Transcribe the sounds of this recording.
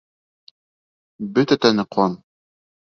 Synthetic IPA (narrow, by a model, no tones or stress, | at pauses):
bɵt̪æt̪ænɘqʰɑn